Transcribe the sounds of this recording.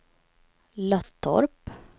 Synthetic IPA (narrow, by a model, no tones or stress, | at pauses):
lœt̪ʰːɔ̰ɾp